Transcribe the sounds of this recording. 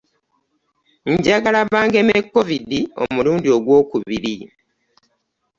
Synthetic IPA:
ɲɟaɡalaβaːŋɡemekːo̞vidio̞̰muluːndio̞ɡwo̞ːkuβiɾi

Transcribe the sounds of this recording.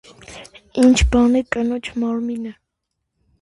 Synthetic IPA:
int͡ʃʰbɑnɛkʼənɔt͡ʃʰmɑɾminə

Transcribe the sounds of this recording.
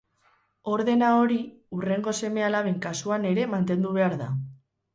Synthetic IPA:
o̞ɾðe̞nao̞ɾi | ure̞ŋɡo̞se̞me̞alaβeŋkasuane̞ɾe̞mant̪e̞nd̪uβ̞e̞aɾða̰

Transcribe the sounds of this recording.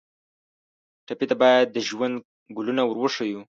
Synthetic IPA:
ʈapit̪abɑjad̪̚ːəʒwand̪ | ɡulunawəɾwəʂaju

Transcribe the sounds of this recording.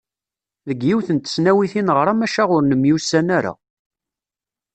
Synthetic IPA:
ðəɡːiwθənt̪ə̥snæwiθinʁəɾˤæmæʃæʁʊɾnəmjusːænæɾa̰

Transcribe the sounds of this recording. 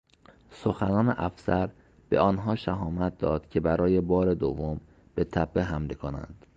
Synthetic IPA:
soxænɒːneʔæfsæɾ | b̥e̞̰ʔɒːnɦɒːʃæɦɒːmæt̪̚d̪ɒːd̪̥cʰe̞bæɾɒːje̞bɒːɾe̞d̪ovːom | b̥e̞t̪ʰæbːeɦæmlekʰonæ̰nd̪̥

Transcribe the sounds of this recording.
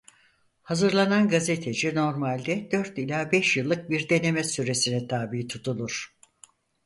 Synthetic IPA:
hazɯɾlˠananɡaze̞t̪ʰe̞d͡ʒino̞ɾmalʲd̪ɛd̪̥øɾt̪ilʲaːbɛʃjɯlˠːɯk̚biɾd̪e̞ne̞mɛsyɾe̞sinɛt̪ʰaːbiːt̪ʰut̪ʰulˠuɾ̥

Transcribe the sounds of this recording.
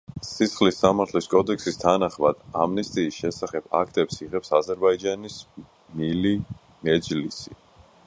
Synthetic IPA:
sisχlisːamaɾt̪ʰliskʼɔd̪ɛkʰsist̪ʰanaχmad̪̥amnɛst̪ʼiːsʃɛsaχɛb̥a̰kʰt̪ʼɛpsiʁɛpsazɛɾbaid͡ʒanis | nili | mɛd̪d͡ʒlisḭ

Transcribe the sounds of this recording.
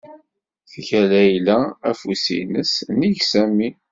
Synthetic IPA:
θʝælæjlææfusḭnəsniʝsæmi

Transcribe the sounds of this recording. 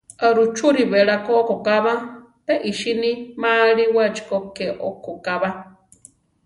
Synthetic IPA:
aɾut͡ʃuɾiβeɺakokokaβa | peʔiʃinimaɺiwat͡ʃi̥kokeʔokokaβa

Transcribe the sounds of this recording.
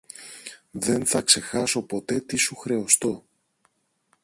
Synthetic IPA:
ðe̞nθɐkse̞xɐso̞po̞t̪e̞t̪isuxɾe̞ost̪o̞

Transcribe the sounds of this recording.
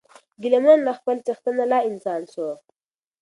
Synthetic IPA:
ɡɪlemanlaxpəlt͡ʃəxt̪ənalɑɪnsɑːnso

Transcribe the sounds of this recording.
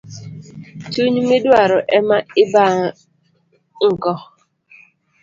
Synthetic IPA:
t͡ʃuɲmɪdwaɾɔʔɛmaɪba | ŋ̩kɔ

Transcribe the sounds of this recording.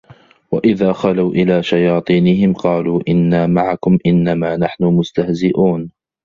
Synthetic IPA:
waʔɪðaːxalawʔɪlaːʃajɑːt̪ˤiːnɪhɪmqɑːluːʔɪnːaːmaʕakʊmʔɪnːamaːnaħnʊmʊst̪ahzɪʔuːn

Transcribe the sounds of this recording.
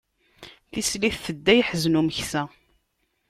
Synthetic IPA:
θisliθθəd̪ːæjħəznuməçsæ

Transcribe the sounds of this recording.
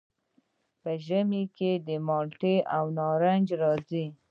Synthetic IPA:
pəʒəmiked̪əmɑlʈeʔawnɑɾand͡ʒɾɑzi

